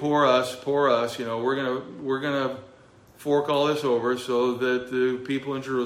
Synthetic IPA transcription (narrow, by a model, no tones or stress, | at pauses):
ɔɹʌsfʰɔɹʌsjɨnoʊwɪɹɡʌnəwɪɹɡʌnə | fɔɹkɔlˠðɪsoʊvə˞soʊðɨt̪̚ðɨpʰipl̩ˠɨ̃nd͡ʒə˞